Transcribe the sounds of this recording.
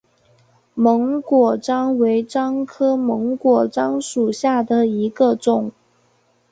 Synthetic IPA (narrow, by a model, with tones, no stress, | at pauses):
mɤ˧˥ŋkwɔ˨˩ʈ͡ʂɑ˥ŋwe˧˥ɪʈ͡ʂɑ˥ŋkʰɤ˥mɤ˧˥ŋkwɔ˨˩ʈ͡ʂɑ˥ŋʂu˨˩ɕja˥˩d̪ə˩i˧˥ɡə˧ʈ͡ʂʊ˨˩˦ŋ